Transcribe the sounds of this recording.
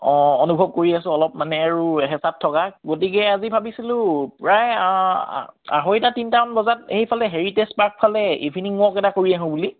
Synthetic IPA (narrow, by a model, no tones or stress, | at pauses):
onubʱɔb̚koɹiasʊ̃ɔlɔp̚manɛaɹuɦɛsap̚tʰɔkaɡot̬ikɛazibʱabisilʊ̃pɹaj̰ | a̰ɦojtatintaɔnbɔzateɦipʰalɛɦeɹitespaɹk̚pʰalɛḭbʱiniŋmʊɔkɛtakoɹiaɦʊ̃buli